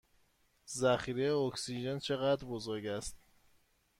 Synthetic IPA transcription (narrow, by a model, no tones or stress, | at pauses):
zæxiɾejeoksid͡ʒent͡ʃʰe̞ɣæd̪ɾbozoɾɟæst̪